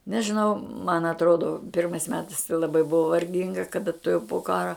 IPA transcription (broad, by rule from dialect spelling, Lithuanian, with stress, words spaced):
nʲɛʒʲɪˈnɐʊ mɐn ɐtˈroːdoː ˈpʲɪrmɐɪs ˈmʲæːtɐɪs tɐɪ lˠɐˈbɐɪ ˈbʊʋoː ʋɐrʲˈɡʲɪŋɡɐ kɐˈdɐ tʊˈjɛʊ poː ˈkɑːrɐ